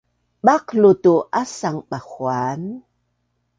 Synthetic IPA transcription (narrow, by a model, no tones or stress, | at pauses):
ɓaqlutuʔasaŋɓaxwan